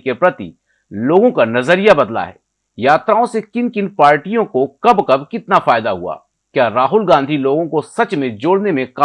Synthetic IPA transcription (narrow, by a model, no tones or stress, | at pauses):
kepɾɐt̪ḭ | loːɡõkanɐzəɾijabɐd̪la̰ɦɛ̰ː | jaːt̪ɾaːõsekɪnkɪnpaːɾʈijõkokɐbkɐbkɪt̪nafaːɪd̪aɦua̰ː | kjaːɾaːɦʊlɡãːnd̪ʱiloːɡõkosɐt͡ʃmẽd͡ʒoːɽnemẽka